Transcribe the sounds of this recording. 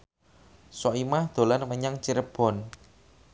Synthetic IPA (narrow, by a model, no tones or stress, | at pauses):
sɔimahd̪̥o̤lanməɲaŋt͡ʃiɾəb̥ɔ̤n